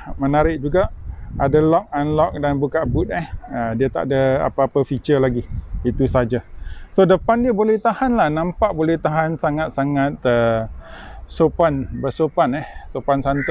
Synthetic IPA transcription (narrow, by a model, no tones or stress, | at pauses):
mənaɾɪʔ̚d͡ʒuɡaʔadalɔk̚anlɔk̚danbukaʔbut̪̚ɛhədiat̪a̰ʔdəa̰paapəfit͡ʃərlaɡiit̪usad͡ʒasodəpandiəbolɛht̪ahanlahnãmpaʔbolɛht̪aɦansaŋat̪̚saŋat̪̚ə | sopanbərsopanɛhsopansant̪